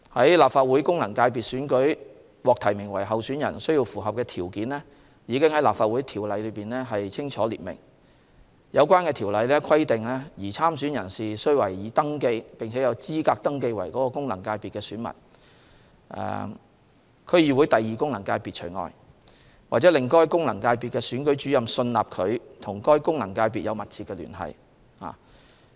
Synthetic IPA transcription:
hɐ˨˥jlaː˨p̚faː˧t̚wuː˨˥jkʊ˥ŋlɐ˨˩ŋkaː˧jpiː˨t̚syː˨˥nkɵ˨˥ɥ | wɔː˨k̚t̪ʰɐ˨˩jmɪ˨˩ŋwɐ̰˨˩jɦɐ˨wsːnjɐ̰˨˩nsɵ˥ɥji˧wfuː˨˩ɦɐ˨p̚kɛː˧t̪ʰiː˨˩wkiː˨˥nlɛː˥ | jiː˨˧kɪ˥ŋhɐ˨˥jlaː˨pfaː˧t̚wuː˨˥jt̪ʰiː˨˩wlɐ˨˧jlɵ˨˧ɥpiː˨nlɛː˥ɦɐ˨jt͡sʰɪ˥ŋt͡ʃʰɔː˨˥lḭː˨t̚mɪ̰˨˩ŋ | jʔɐ˨˧wkʷaː˥nkɛː˧t̪ʰiː˨˩wlɐ˨˧jlɛː˥kʰɐ˥jt̪ɪ˨ŋlɛː˥jiː˨˩t͡sʰaː˥msyː˨˥njɐ˨˩nsiː˨sɵ˥jwɐ˨˩jjiː˨˧˥t̪ɐ˥ŋke˧jpɪ˨ŋt͡sʰɛ˨˥jɐ˨˧wt͡siː˥kaː˧k̚t̪ɐ˥ŋke˧jwɐ̰˨˩jkɔː˨˥kɔː˧kʊ˥ŋlɐ˨˩ŋkaː˧jpiː˨t̚kɛː˧syː˨˥nmɐ̰˨˩n | ʔɛ̰ː˨ | kʰɵ˨˧ɥjiː˨˩wu˨˥jt̪ɐ˨jːiː˨kʊ˥ŋlɐ˨˩ŋkaː˧jpiː˨t̚t͡ʃʰɵ˨˩jŋɔ̰ː˨˧j | waː˨t͡sɛː˨˥lɪ˨˩ŋkɔː˥jkʊ˥ŋlɐ˨˩ŋkaː˧jpiː˨t̚kɛː˧syː˨˥nkɵ˨˥t͡ʃy˨˥jɐ˨msɵ˧nla̰ː˨p̚kʰɵ˨˧ɥt̪ʰʊ˨˩ŋkɔː˥jkʊ˥ŋlɐ˨˩ŋkaː˧jpi˨t̚jɐ˨˧wmɐ˨t̚t͡sʰiː˨tkːɛː˧ly̰ː˨˩nɦɐ̰˨j | ha̰ː˨

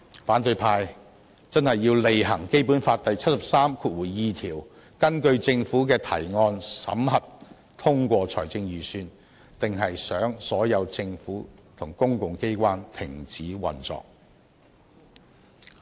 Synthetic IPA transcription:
faː˨˥nt̪ɵ˧ɥpʰaː˧j | t͡sɐ˥nhɐ˨jːiː˧wle˨jɦɐ˨˩ŋke˥jpuː˨˥nfaː˧t̚t̪ɐ˨jt͡sʰɐ˥t̚sɐ˨p̚saː˥mkʰuː˧t̚wuː˨˩jːiː˨˧t̪ʰiː˨˩w | kɐ˥nkɵ˧ɥt͡sɪ˧ŋfuː˨˥kɛː˧t̪ʰɐ̰˨˩jŋɔː˧nsɐ̰˨˥mhɐ˨t̚ | t̪ʰʊ˥ŋkʷɔː˧t͡sʰɔ̰ː˨˩jt͡sɪ˧ŋjyː˨˩syː˧n | t̪ɪ˨ŋɦɐ˨jsœː˨˥ŋsɔː˨˥jɐ˨˧wt͡sɪ˧ŋfuː˨˥t̪ʰʊ˨˩ŋkʊ˥ŋkʊ˨ŋke˥jkʷwaː˥nt̪ʰɪ̰˨˩ŋt͡siː˨˥wɐ̰˨nt͡sɔ̰ː˨k̚

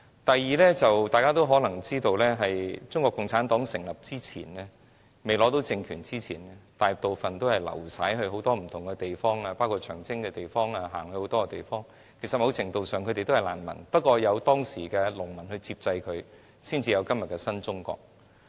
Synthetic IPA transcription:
t̪ɐ˨jːiː˨˧lɛː˥t͡sɐ˨wt̪aː˨jkaː˥t̪o˥wɦɔː˨˥lɐ˨˩ŋt͡siː˥t̪o˧wlɛː˥ɦɐ˨jt͡sʊ˥ŋkʷɔː˧kːʊ˨ŋt͡sʰaː˨˥nt̪ɔː˨˥ŋsɪ˨˩ŋlɐ˨p̚t͡siː˥t͡sʰḭː˨˩nlɛː˥ | me˨jlɔː˨˥t̪o˨˥wt͡sɪ˧ŋkʰyː˨˩nt͡siː˥t͡sʰiː˨˩nɛ˥t̪aː˨j̚t̪o˨wfɐ˨nt̪o˥whɐ˨jlɐ̰˨˩wsaː˨˥jɦɵ˧ɥɦo˨˥wt̪ɔː˥m̩˨˩t̪ʰʊ˨˩ŋkɛ˧t̪e˨jfɔː˥ŋaː˧paː˥wkʰuː˨˧t̚t͡ʃʰœ̰ː˨˩ŋt͡sɪ˥ŋkɛ˧t̪e˨jfɔː˥ŋaː˧ɦaː˨˩ŋhɵ˧ho˨˧˥wt̪ɔː˥kɛ˧t̪e˨˩jfɔː˥ŋ | kʰe˨˩sɐ˨t̚mɐ˨˧wt͡sʰɪ˨˩ŋt̪o˧wsœː˨ŋkʰɵ˨˧te˨jt̪o˥ɐ˨jla̰ː˨˩nmɐ̰˨˩npɐ˥t̚kʷɔː˧jɐ˨˧wt̪ɔː˥ŋsiː˨˩kɛː˧lʊ˨˩ŋmɐ˨˩nhɵ˧ɥt͡siː˧p̚t͡sɐ˧jkʰɵ˨˧ɥ | siː˥nt͡siː˧jɐ˨˧wkɐ˥mjɐ˨t̚kɛ˧sɐ˥nt͡sʊ˥ŋkɔ̰ː˧k̚

